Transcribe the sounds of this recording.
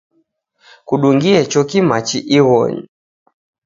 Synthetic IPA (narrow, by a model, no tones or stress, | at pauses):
kuɗuŋɡiɛt͡ʃɔkimat͡ʃiʔiɣɔ̰ɲḭ